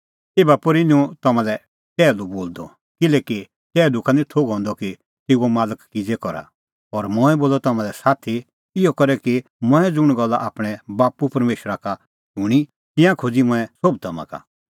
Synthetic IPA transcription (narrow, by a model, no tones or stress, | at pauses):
eːbapɔɾiniũt̪ɔmãlɛ | t͡ʃɛːluboːld̪ɔ | kɪlɛːki | t͡ʃɛːd̪ukʰanĩt̪ʰoɡɦɔ̃ːnd̪ɔki | t̪ɪɡomaːləkːɪd͡zɛkɔɾa̰ | ɔɾmʊ̃ːɛboːlɔt̪ɐmãlɛsaːt̪ʰi | ɪɔkɔɾɛki | mʊ̃ɛ̃d͡zʊɽ̃ɡɔlːaʔaːpɽ̃ɛbaːpupɐɾmeːʃɾaka | ʃʊɽ̃i | t̪ɪ̃jãkʰod͡zimʊ̃ɛ̃sob̚t̪ʰɔmã̰ka̰